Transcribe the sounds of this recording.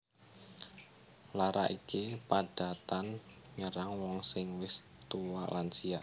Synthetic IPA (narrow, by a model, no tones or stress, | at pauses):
laɾa̰ʔikipaɖ̥a̤t̪an | ɲəɾaŋwɔŋsɪŋwɪs | t̪uwalansia